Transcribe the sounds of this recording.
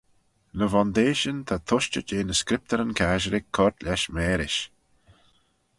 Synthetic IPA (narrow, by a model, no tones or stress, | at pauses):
nəvɔnd̪eːʃənt̪ʰat̪ʰʊʃt͡ʃəd͡ʒeːnəskɾɪp̚t̪əɾənkʰaːʒəɾɪkʰːɔɹt̪lɛʃmɛːɾɪʃ